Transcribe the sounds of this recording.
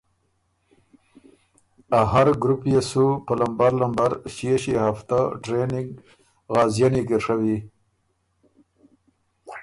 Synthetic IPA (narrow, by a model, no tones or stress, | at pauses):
aɦaɾɡɾupjesupəlambaɾlambaɾʃjeɕihaft̪aʈɾenɪŋɡ | ɣɑːzjaniɡəɾʂawi